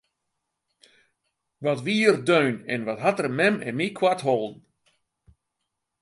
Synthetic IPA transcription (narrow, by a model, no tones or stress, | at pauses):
ʋɔtʋiːərdøɥnɛnʋɔtɦatərmɛmɛ̰nmikʰwatɦolˠdn̩